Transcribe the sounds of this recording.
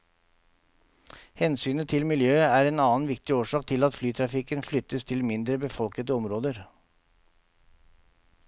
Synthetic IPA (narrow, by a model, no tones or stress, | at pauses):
hɛnsyːnət̪ʰɪlmɪljøːæːɾeːnɑːnʋɪkt̪ɪoːʂɑːk̚t̪ʰɪlɑt̪flyːt̪ʰɾɑfɪkənflʏt̪ːəst̪ʰɪlmɪnd̪ɾəbəfɔlkəd̪əɔmɾoːd̪əɾ